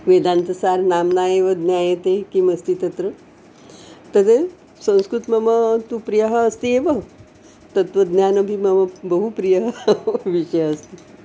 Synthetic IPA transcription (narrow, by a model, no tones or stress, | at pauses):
ʋeːd̪ãnt̪ɐsaːɾnaːmnaːjeʋɐd̪nʲjaːjet̪ekimɐst̪it̪ɐt̪ɾə | t̪əd̪e | sɐ̃ñskɾut̪mɐmɐt̪upɾijəɦɐːst̪ieʋɐ | t̪ɐt̪ʋɐd̪njaːnɐbʱimɐmɐbɐɦupɾijɐɦʋiʂəjɐst̪i